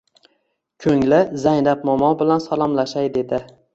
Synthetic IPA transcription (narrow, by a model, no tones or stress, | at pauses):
kʲʰɵŋlɪzajnap̚mɒmɒnbɪlansalˠɒmlaʃajd̪e̞d̪ɪ